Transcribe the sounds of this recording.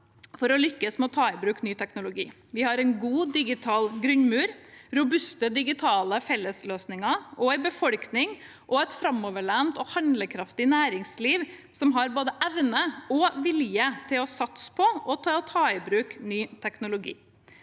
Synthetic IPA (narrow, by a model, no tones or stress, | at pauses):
fɔɾɔlʏkːəsmɛɔt̪ʰɑːɪbɾʉːknyːt̪ʰɛknʊlʊɡḭː | ʋɪhɑɾɛnɡuːd̪ɪɡɪt̪ʰɑːlɡɾʉɲmʉːɾɾʊbʉst̪əd̪ɪɡɪt̪ʰɑːləfɛlːəsløːsnɪŋɑʔɔɪbəfɔɽknɪŋ | ʔɔɛt̪fɾɑmɔʋəɭæːnt̪ɔːhɑnd̪ləkʰɾɑft̪ɪnæːɾɪŋsliːʋ | sɔmɦɑɾboːd̪əʔɛʋnəɔʋɪljət̪ʰɪlɔsɑt̪spʰɔʔɔt̪ʰɑːt̪ʰɑːɪbɾʉːknyːt̪ʰɛknʊlʊɡḭː